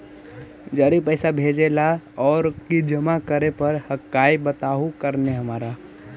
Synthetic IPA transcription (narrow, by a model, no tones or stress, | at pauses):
d͡ʒaːɾipəɪsabʱeːd͡ʒelaɔːɾkid͡ʒəmakəɾepəɾhəkːaːibət̪aːɦukəɾneɦəmaːɾa